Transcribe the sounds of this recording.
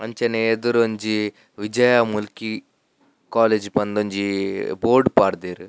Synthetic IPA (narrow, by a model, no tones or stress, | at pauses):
ɐɲt͡ʃɐneed̪uɾoɲd͡ʒi | ʋid͡ʒɐjamulki | kaːleːd͡ʒpɐnd̪oɲd͡ʒiboːɾɖpaːɽd̪eːɾu